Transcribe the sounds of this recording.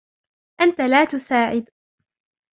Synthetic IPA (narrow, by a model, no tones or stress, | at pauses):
ʔant̪alaːt̪ʊsaːʕɪd̪